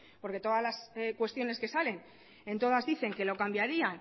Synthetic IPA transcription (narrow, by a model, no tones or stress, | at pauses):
po̞ɾke̞t̪o̞ðazlaskwe̞st̪jo̞ne̞ske̞sale̞n | e̞nt̪o̞ð̞azðiθe̞ŋke̞lo̞kambjaɾian